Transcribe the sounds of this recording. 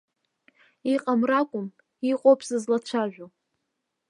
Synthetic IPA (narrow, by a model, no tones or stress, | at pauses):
iqʼamrakʷʼʊm | iqʼopʰsɨzlat͡ʃʷʰaʒʷᶣo